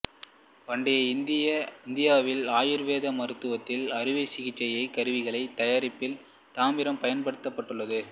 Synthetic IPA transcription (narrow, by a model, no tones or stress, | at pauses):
ʋɐɳɖɐjɐɪnd̪ɪjɐɪnd̪ɪjaːʋɪlaːjɪɾʋeːðɐmɐɾɯt̪ːɯʋɐt̪ːɪlɐɾɯʋɐɪsɪɣɪt͡ʃːɐjɐɪkɐɾɯʋɪɣɐɭɐɪt̪ɐjaːɾɪpːɪl | t̪aːmɪɾɐmpɐjɐnpɐɽɯt̪ːɐpːɐʈːɯɭːɐðɯ